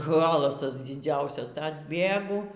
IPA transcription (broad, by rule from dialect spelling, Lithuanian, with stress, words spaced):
ˈɣɑːlˠɐsɐs dʲɪˈd͡zʲɛʊsʲɛs ɐdʲˈbʲeːɡʊ